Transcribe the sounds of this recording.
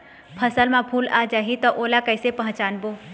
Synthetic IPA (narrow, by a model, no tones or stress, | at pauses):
pʰəsəlmãpʰuːla̰ːd͡ʒaɦit̪ɔʔoːlakəɪsepəɦə̃t͡ʃaːnbo